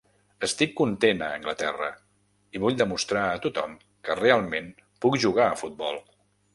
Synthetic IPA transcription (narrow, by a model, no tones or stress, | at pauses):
əst̪ikːunt̪enəəŋɡlət̪ɛrə | iβuʎd̪əmust̪ɾaət̪ut̪ɔm | kərealˠmen | pukʒuɣaəfut̪̚bɔlˠ